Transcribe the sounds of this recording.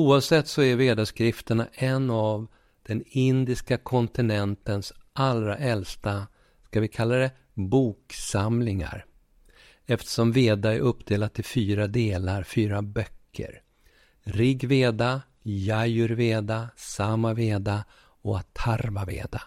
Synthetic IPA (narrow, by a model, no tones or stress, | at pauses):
uːavsɛt̪ːsɔæɾveːd̪aʂkɾɪft̪əɳaʔɛnːav | d̪̥ɛnɪnd̪ɪskakʰɔnt̪ɪnɛnt̪ənsʔalɾa̰ʔɛlst̪a | skavɪkʰalːad̪ɛ | buːksamlɪŋa̰ɾ | ɛft̪ə̥ʂɔmveːd̪aæɾʔɵpːd̪eːlad̪̚t̪ʰɪlfyːɾad̪eːlaɾfyːɾabœkʰːə̰ɾ | ɾɪɡveːd̪a | jajɵɾveːd̪asamːaveːd̪a | ɔat̪ʰːaɾmavḛːd̪a